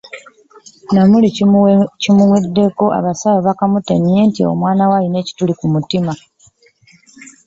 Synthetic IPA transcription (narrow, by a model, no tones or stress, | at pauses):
namulicimuwedːe̞ko̞ʔa̰βasawoβakamuteɲe̞ntio̞̰mwaːnawaline̞ci̥tulikumutima